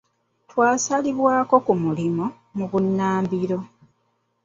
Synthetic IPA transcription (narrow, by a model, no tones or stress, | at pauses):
twaːsaliβwaːko̞kumulimo | muβunːaːmbiɾo̞